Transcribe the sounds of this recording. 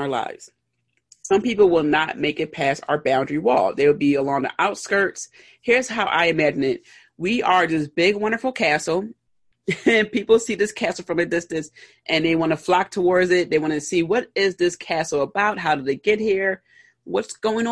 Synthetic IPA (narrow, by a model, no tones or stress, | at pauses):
ə˞la̰ɪvz̥ | sʌ̃mpipl̩ˠwɪlˠnət̚meɪkɨt̚pʰæsa̰ʊə˞bãʊ̃ndɹiwɔ̰lˠðeɪwəlˠbiəlɔ̃ŋðə̰ʔaʊtskɜ˞ts | hiɹz̥haʊʔa̰ɪɨmæd͡ʒɨ̃nɪt̚ | wiʔə˞ðɪsb̥ɪɡwʌ̃ndə˞fl̩ˠkʰæsl̩ˠ | ɨ̃npipl̩ˠsiðɪskʰæsl̩ˠfɹʌ̃mɨdɪstɨ̃ns | ʔɨ̃nðeɪwɑ̃nɨflɑk̚tʰəwɔɹdzɪt̪̚ðeɪwɑ̃nɨsiwʌɾɪzðɪskʰæsl̩ˠəbaʊt̚ɦaʊɾɨðeɪɡ̥ɛt̚hiɹ | wʌtsɡ̥oʊɪ̃ŋ